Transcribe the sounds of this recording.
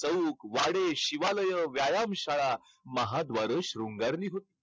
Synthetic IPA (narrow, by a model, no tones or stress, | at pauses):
t͡səukʋaɽeɕiʋaləjəʋjajamɕaɭa | məɦad̪ʋaɾəɕɾuŋɡaɾniːɦot̪i̥ː